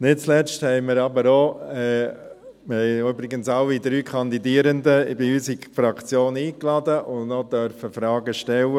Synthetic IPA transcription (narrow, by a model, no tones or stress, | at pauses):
nɪt̚t͡slɛsthɛɪmɪɾɑbəɾɔɛ | mɪhɛɪøbɾɪɡənsɑʊid̪ɾyːkʰɑnd̪idiːəɾənd̪əbɪysifɾɑkt͡sjoːniːklɑd̪əʔʊnnɔd̪œɾfəfɾɑːɡəʃtɛlə